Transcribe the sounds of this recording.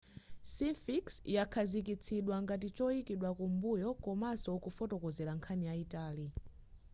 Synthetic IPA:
sifiksjakʰazik̬it͡sʰiɗwaŋɡat̬it͡ʃɔikiɗwakumbujɔkɔmasɔkufɔtɔkɔzɛɾaŋkʰanijaitaːli

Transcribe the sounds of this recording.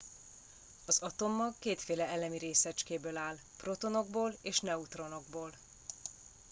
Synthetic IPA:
ɒzɒt̪o̞mːɒkːeːt̪feːlɛɛlɛmiɾeːsɛt͡ʃkeːbøːlaːl | pro̞t̪o̞no̞ɡ̚boːleːʃnɛut̪ro̞no̞ɡ̚boːl

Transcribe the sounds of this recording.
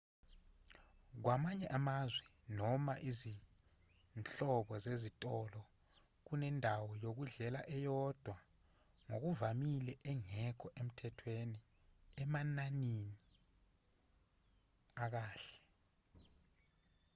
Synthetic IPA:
k̬wamaɲɛʔamazwɛ | nɔmaʔizi | nt͡ɬɔɓɔzezitʼɔlɔ | k̬unɛndʱawɔjok̬uɮɛlaʔɛjɔd̥ʱwa | ŋok̬uvamilɛʔɛŋɛkʰɔʔem̩tʰɛtʰweni | ɛmananini | ak̬aːɬɛ̥

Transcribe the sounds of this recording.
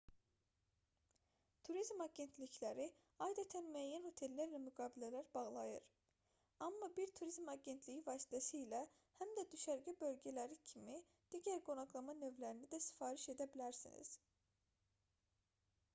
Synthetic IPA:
t̪ʰuɾizmɑɟe̞nt̪ʰliclæɾi | ɑjd̪æt̪ʰænmyæjːænho̞t̪ʰe̞lːæɾvæmyɡɑːbilælæɾbɑɣlˠɑjɯɾ | ɑmːɑbiɾt̪ʰuɾizmɑɟe̞nt̪ʰlijivɑːsi̥t̪ʰæsiːlæ | hæmd̪æd̪yʃæɾɟibø̞lɟælæɾicʰimi | d̪̥iɟæɾɡo̞nɑklˠɑmɑnø̞vlæɾinid̪æsi̥fɑːɾiʃe̞d̪æbilæɾsḭnḭz̥

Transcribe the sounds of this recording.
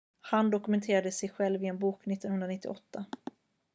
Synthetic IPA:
hand̪ɔkɵmɛnt̪ʰeːɾad̪əsɛjɧɛlvɪɛnbuːknɪt̪ːɔnhɵnɾanɪt̪ːɪ̰ɔt̪ʰːa

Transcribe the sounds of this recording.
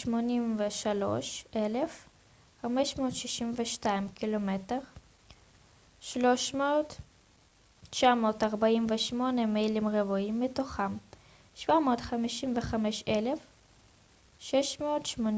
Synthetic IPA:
ʃmo̞nimveʃalo̞̰ʃele̞f | χameʃmo̞ːtʃiʃimveʃtaimkilomete̞ʁ | ʃloʃmoːt | t͡ʃamo̞ːtaʁbaimveʃmo̞nemejlimʁevuimːetoχam | ʃvamo̞ːtχamiʃimveχameʃele̞f | ʃeʃmoːtʃmon

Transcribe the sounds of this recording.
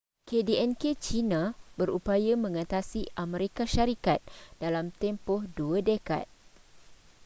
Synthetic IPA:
kediɛnket͡ʃinãbəɾupajamə̃ŋãt̪asiʔamẽɾekaʃaɾikat̪̚d̥alamt̪ɛmpɔhduadəka̰t̪̚

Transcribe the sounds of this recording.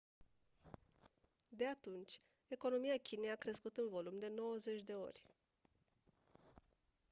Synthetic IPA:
d̪e̞at̪unt͡ʃʲ | e̞ko̞no̞mijakʲine̞jakɾe̞skut̪ɨnvo̞lumd̪e̞no̞wəze̞t͡ʃʲd̪e̞o̞̰rʲ

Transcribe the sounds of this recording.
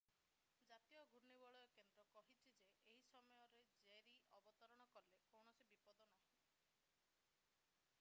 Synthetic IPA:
d͡ʒat̪ijɔɡʱuɾnibɔɭɔjɔkend̪ɾɔkɔɦit͡ʃʰid͡ʒeʔeɦisɔmɔjɔɾed͡ʒeɾiɔbɔt̪ɔɾɔɽ̃ɔkɔlekowɽ̃ɔsibipɔd̪ɔnaɦɔ̃

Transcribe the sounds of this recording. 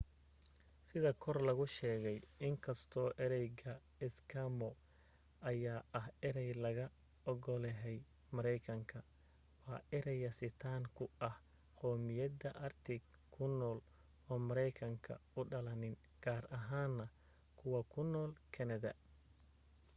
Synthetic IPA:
sɪðɐkʰɔrlɐɣʊʃɛːɣɛjɪŋkʰɐst̪ʰɔːʔɛɾɛjɡɐ | ɪskʰamɔ | ʔɐjaːʔɐhɪɾɛjlɐɣɐ | ɔɣɔlɛɦɛj | mɐɾɛjkʰɐŋkʰɐ | wɑːʔɪɾɛjɐsɪt̪ʰaːŋkʰʊɐh | qɔːmɪjɐdɐʔɐrt̪ʰɪɡ | kʰːʊnɔːl | ɔːmɐɾɛjkʰɐŋkʰɐ̰ʊɖɐlɐnɪn | ɡ̥aːrɐɦaːnːɐ | kʰʊwɐkʰʊnːɔːlkʰɐnɐðɐ̰

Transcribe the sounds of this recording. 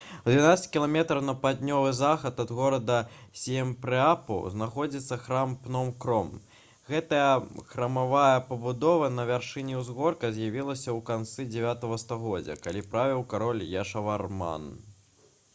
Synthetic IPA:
d̪ʲvʲinat̪sɐt͡sʲkʲilˠamʲɛt̪ɾɐwnɐpad̪ʲnʲɔvɨzaxɐt̪ɐd̪ɣɔɾɐd̪ɐsʲɛmʲpɾɨapɐ̰wznaxɔd͡zʲit̪sːɐxɾampnɔmkɾɔm | ɣɛt̪ɐjɐxɾɐmavajɐpɐbud̪ɔvɐnɐvʲarʂɨnʲiwzɣɔrkɐzʲjavʲilˠɐsʲɐwkant̪sɨd͡zʲɛvʲat̪ɐɣɐst̪aɣɔd͡zʲɐ̰kalʲipɾavʲiwkaɾɔlʲjaʂɐvarma̰n

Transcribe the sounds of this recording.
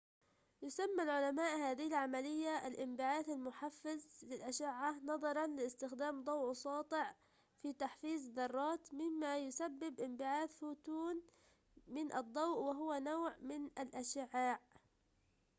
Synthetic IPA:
jʊsamːalʕʊlamaːʔhaːðɪhɪlʕamalɪjːaʔalʔɪmbɪʕaːθalmʊħafːɪzlɪlʔaʃɪʕːanɑðˤɑɾˤɑnlɪɪst̪ɪxd̪aːmd̪ˤɑwʕsˤɑːt̪ˤɪʕ | fit̪aħfiːzðɑrˤːɑːt̪mɪmːajʊsabːɪbʔɪmbɪʕaːθfut̪uːn | mɪnʔɑd̪ˤːɑwʔwɪɦʊwanawʕmɪnʔalʔaʃɪʕːaːʕ

